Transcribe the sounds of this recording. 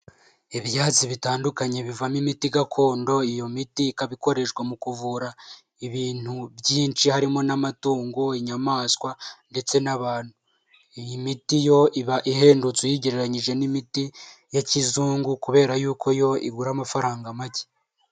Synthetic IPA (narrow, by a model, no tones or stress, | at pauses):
iβjaːt͡siβitaːndukaɲe̞βivamimitiɡakʰo̞ːndo̞ijo̞mitikaβiko̞ɾe̞ʃɡwamukuvuɾa | iβiːn̥huβjiːnt͡ʃihaɾimo̞namatuːŋɡo̞iɲamaːskwande̞t͡se̞naβaːn̥hu | ijimitijo̞iβaʔiɦe̞ːndut͡swujiɟeɾeɾaɲiʒe̞nimiti | jacizuːŋɡukuβe̞ːɾajuːkʰo̞jo̞ḭɡuɾamafaɾaːŋɡamaɟe̥